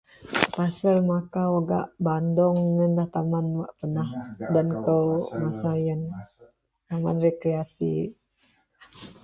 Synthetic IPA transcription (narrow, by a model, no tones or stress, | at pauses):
pasəlmakaoɡa̰ʔbandɔŋːənlaht̪amanwaʔpənahdankəmasajən | t̪ama̰nrekɾeasḭ